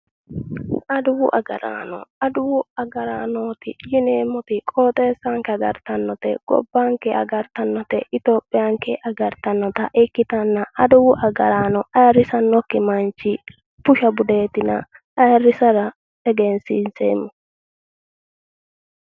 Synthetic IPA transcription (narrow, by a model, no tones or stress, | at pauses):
ʔɐd̪ʊwʊʔɐ̰ɡɐ̰ɾa̰ːnɔ̰ɐd̪ʊwʊɐɡɐɾaːnoːt̪ɪ̰jɪneːmːɔt̪ɪkʼoːt̪ʼe̞ːsːaŋkɛɐɡɐɾt̪ɐnːɔt̪ɛ̰ɡ̥ɔ̰bːaŋkɛʔɐ̰ɡɐɾt̪ɐnːɔt̪ɛʔɪt̪o̞ːpʼːɪjaŋkɛʔɐɡɐɾt̪ɐnːɔt̪ɐʔɛkːɪt̪ɐnːɐʔɐd̪ʊwʊʔɐɡɐɾaːnɔʔɐjɐrɪsɐnːɔkːɪmɐnt͡ʃːɪ | pʊʃɐbʊd̪e̞ːt̪ɪnɐ̰ | ɐjɐrːɪsɐɾɐ | ɛɡɛnsɪnsemːɔ